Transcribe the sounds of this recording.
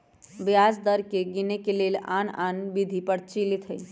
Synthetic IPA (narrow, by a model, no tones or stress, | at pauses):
bjad͡ʒd̪əɾkeɡinekelela̰nanbid̪ʱipəɾt͡ʃilit̪ʰəj